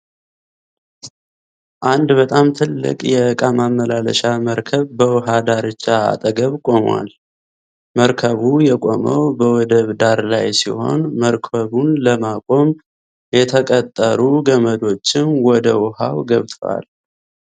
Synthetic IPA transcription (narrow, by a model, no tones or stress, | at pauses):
ʔand̪bət̪ʼamt̪ʰɨlːɨ̰kʼjɛkʼamamːəlalə̰ʃaməɾkʰəβbəwɦad̪aɾɨt͡ʃːa̰ːt̪ʼəɡəβkʼo̞mwa̰l | məɾkʰəβujɛkʼo̞mə̰wbəwɔd̪əβd̪aɾlajsḭho̞̰nməɾkʰəβunləmakʼo̞m | jɛt̪ʰəkʼət̪ʼːəɾuɡəməd̪o̞t͡ʃːɪnwɔd̪əwha̰wɡəβt̪ʼʰwa̰l